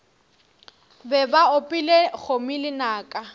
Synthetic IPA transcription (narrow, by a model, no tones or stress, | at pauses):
bɛbaʊpʼɪlek͡xʰomilɪnaːkʼa